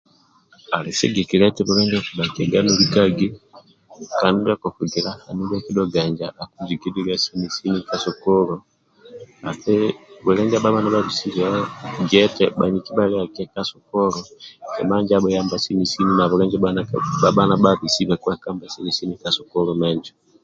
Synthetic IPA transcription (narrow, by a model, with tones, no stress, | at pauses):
a˨lɛ˨sɛ̰˦ɡɛ˨ki˨lɛ˦tɛ˦βu˨ɾɛ˦ɲd͡ʒɛ˦ku˨ba˨ki˨ɛ˨ɡa˦nu˦li˦ka˦ɡi˦ | ka˨nu˦ɾa˦kɔ˨fu˨ɡi˨la˦ha˨nu˦ba˦ki˦ɗɔ˦ɡa˨ɲd͡ʒa˨ʔa˨ku˦d͡ʒi˨ɡi˦di˦li˦a˦si˦mi˨si˦nika˦sɔ˨kɔ˦lɔ˨ | a̰˨θɛ˦bɛ˨lɛ˦ɲd͡ʒa˦baɓa˦na˦ba˦βi˨si˦βɛɡɛ˦tɛɓa˨ɲi˨ki˦ba˦lia˨kɛ˦ka˦sɔ˨kɔ˦ɾɔɛ̰˨ma˦ɲd͡ʒabɔja˦mba˨si˦ni˨si˦ni˦na˨βuɾɛ˦ɲd͡ʒɛbanaba˦ɓa˦na˦ɓaβi˨si˦βa˨ku˦a˨ka˦mba˨sɛ˦li˨si˦ni˦ka˨sɔ˨kɔlɔmɛ˦ɲd͡ʒɔ